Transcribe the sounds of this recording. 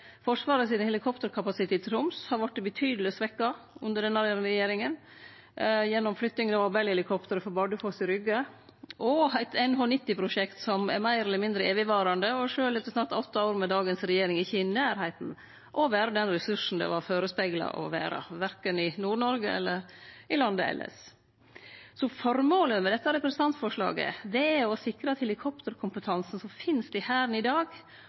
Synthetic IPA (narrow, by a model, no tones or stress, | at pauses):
fɔʂʋɑːɾəsiːnəhɛlɪkʰɔpt̪əɾkʰɑpɑsɪt̪ʰeːt̪ːɾʊmshɑɾʋɑʈ̪̚ːɛbət̪ʰyːd̪əlɪsʋɛkːɑʉnd̪əɖɛnːɑɾjɛɾmɾɛjeːɾɪŋən | jɛnːɔmflʏkt̪nɪŋd̪ɛʋɑɾbɛlhɛlɪkʰɔpt̪əɾəfɔɾbɑɖəfoːsɪɾʏɡə | ʔɔæɪt̪ɛɪnɦonɪt̪ːɪpʰɾʊʂɛkt̪sɔmɛ̰ɾmæɪɾɛlːəɾmɪnd̪ɾəeːʋɪʋɑːɾɑnd̪əɔʂøːlɛt̪ːəsnɑt̪ɔt̪ːɑoʊɾmɛd̪ɑːɡənsɾɛjeːɾɪŋɪçɪnæːɾhæɪt̪n̩ | ʔɔʋæːɾɑd̪ɛnɾɛsʉʂn̩d̪ɛ̰ʋɑɾføːɾəspæɡlɑ̰ʔɔ̰ʋæ̰ːɾɑ̰ʋæɾkənɪnuːɳɔɾɡəɛ̰lːəɾɪlɑnd̪əɛ̰lːə̰s | sɔfɔɾmoːləmɛd̪ɛt̪ːɑɾɛpɾəsənɑnt̪fɔʂɭɑ̰ːɡə̰d̪ɛæɔsɪkɾɑt̪hɛlɪkʰɔpt̪əɾkʰʊmpət̪ʰɑnsn̩sɔmfɪnsd̪̥ɛhæːɾnɪd̪ɑːɡ